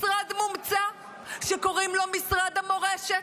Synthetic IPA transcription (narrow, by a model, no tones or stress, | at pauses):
ʁad̪mumt͡sa | ʃeko̞ʁimlo̞misʁad̪amo̞ʁeʃe